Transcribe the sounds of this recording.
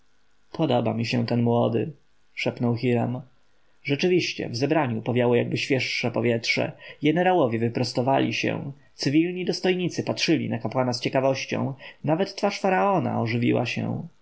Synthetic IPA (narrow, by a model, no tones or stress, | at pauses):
pʰɔd̪ɔbamʲiɕɛ̃t̪ɛnmwɔd̪ɘ̰ | ʂɛpnɔwxiɾam | ʐɛt͡ʂɘvʲiɕt͡ɕɛ̰vzɛbɾaɲupɔvʲjawɔjaɡbɘɕfʲjɛʂːɛpɔvʲjɛtʂɛ̰ɡɛnɛɾawɔvʲjɛvɘpɾɔst̪ɔvalʲiɕɛ̰̃w̃ | t̪sɘvʲilɲid̪ɔst̪ɔjɲit̪sɘpatʂɘlʲḭnakapwanast͡ɕɛkavɔɕt͡ɕɔ̰̃w̃navɛt̪ːfaʂfaɾaɔna̰ɔʐɘvʲḭwa̰ɕɛ̰w̃